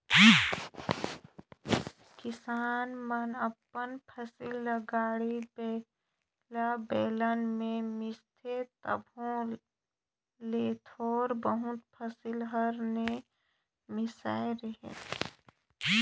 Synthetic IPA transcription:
kɪsaːnmənəpːənpʰəsɪlːəɡaːɽib | labɛːlənmẽmɪst̪ʰet̪ə̰bʱõ | leːt̪ʰɔːɾbəɦʊt̪pʰəsɪlɦəɾne | mɪsaːeɾəɦḛt̪ʰ

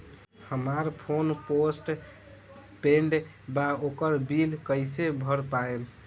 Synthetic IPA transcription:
həmaɾpʰonposʈ | peɳɖ | baokəɾbilkəɪsebʱəɾpael

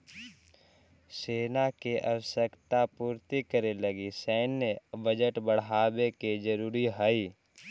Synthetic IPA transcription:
seːnakeʔɐ̰wsəkt̪apuːɾt̪ikəɾeləɡisəːnjəbəd͡ʒəʈbəɽ̤aːbeked͡ʒəɾuːɾiɦəiː

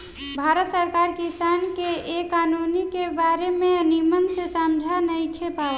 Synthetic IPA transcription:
bʱaɾət̪səɾkaɾkisankeːkːanunikebaɾemeənimənsesamd͡ʒʱanəjkʰepaɛ

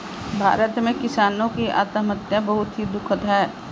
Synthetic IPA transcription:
bʱa̰ːɾət̪mẽkɪsaːnõkia̰ːt̪əmət̪jabɐɦʊt̪ɦid̪ʊkʰət̪ɦɛː

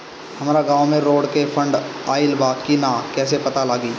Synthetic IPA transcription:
hɐmːɾaɡãːʋmẽɾoːɽkefʰɐ̃ɳɖaːɪlbaːkinaːkɛːs̬epɐt̪alaːɡiː

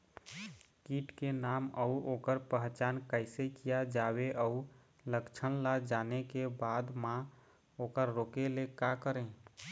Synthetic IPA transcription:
kiːʈkenaːməuoːkəɾpəɦt͡ʃaːnkəɪsekijad͡ʒaweʔəu | ləkt͡ʃʰənlad͡ʒaːnekebaːd̪mã | oːkəɾːoːkelekakəɾẽ

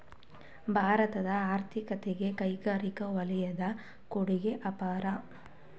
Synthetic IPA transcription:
bʱaːɾɐt̪ɐd̪ɐaːɾt̪ʰikɐt̪eɡe̞kɐjɡaːɾikɐʋɐlɛjɐd̪ɐ | koɽiɡeʔɐpaːɾɐ

